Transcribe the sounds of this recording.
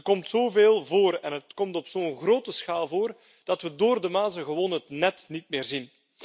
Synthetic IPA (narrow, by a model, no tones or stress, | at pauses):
kɔmtsoːveːlˠvoːrɛnɦətkɔmtɔpsoːnɣroːtəsxaːlˠvoːr | d̥ɑtʋədoːrdəmaːzəɣəwoːnɦətnɛtnitmɪːrzin